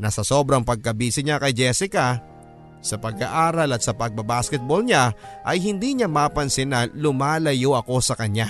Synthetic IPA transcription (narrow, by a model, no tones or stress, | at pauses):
nɐsɐso̞ːbɾɐŋpɐɡ̚kɐbiːsɪɲakɐjd͡ʒɛsɪkɐ | sɐpɐɡa̰ʔaːɾɐlɐt̪̚sɐpɐɡ̚bɐbaːskɛt̪̚bolɲaʔɐjhɪnd̪iːɲamaːpɐnsɪnɐlʊmaːlɐjoʔɐko̞sɐkɐɲa